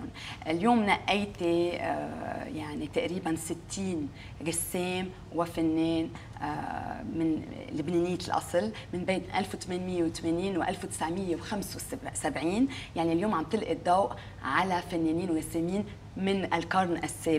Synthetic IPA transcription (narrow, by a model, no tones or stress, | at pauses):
n | ʔɪljoːmnaʔːɪjt̪e | jaʕnit̪aʔɾiːbansɪt̪ʰːiːn | ɣɪsːeːm | wɪfanːeːn̰ | mɪnlɪbneːnɪjːlʔɑ̰sˤɨlmɪnbeːnʔalfwt̪meːnmɪjːewt̪ameːniːnwʔa̰lfwt̪ɪ̥sʕmɪjːewxamswsabʕiːnjaʕniljoːmʕamb̚t̪ɪlʔid̪ˤːɑwʔ | ʕalafanːeːniːnwɣɪsːemiːn | mɪnʔɪlkɑɾˤnʔasːeː